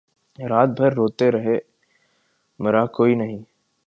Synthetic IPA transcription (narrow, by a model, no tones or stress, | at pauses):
ɾaːt̪̚bʱɐɾːoːt̪eɾɐɦe | mɐɾakoːinɐɦĩ